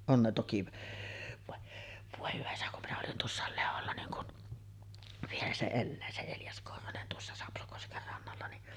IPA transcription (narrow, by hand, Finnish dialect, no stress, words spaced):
on ne toki ʋɑ ʋoˑe hyʋæ isæ kum minæ olin tuosːɑˑel leholːɑ niːŋ kun ʋielæ se elːæː se eljɑs korhonen tuosːɑ sɑpsokosker rɑnːɑlːɑ niʔ